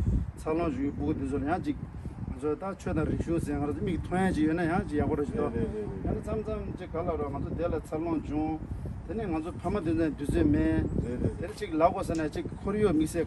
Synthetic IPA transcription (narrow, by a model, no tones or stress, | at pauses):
t͡sʰaloŋt͡ɕuipukt̪yt͡sʰolajaŋt͡ɕik̚ | ŋat͡sʰot̪at͡ɕʰøt̪arik̚ɕuŋsenŋaɾat͡somikt̪ʰojat͡ɕijønajaŋt͡ɕijapoɾet͡ɕid̪ojenet͡sʰamt͡samt͡ɕikːalaɾoŋat͡sʰot̪elat͡sʰaloŋt͡ɕuŋt̪eneŋat͡sʰopʰamat̪̬yt͡snt̪ysøːmet̪enet͡ɕik̚laʔpos̬enat͡ɕikkʰːɔjoʔmik̚seː